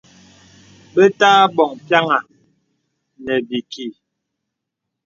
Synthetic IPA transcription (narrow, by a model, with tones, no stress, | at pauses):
bə˦taː˦bɔ˨ŋpja˦ŋa˨ | nɛ˨bi˨ki˨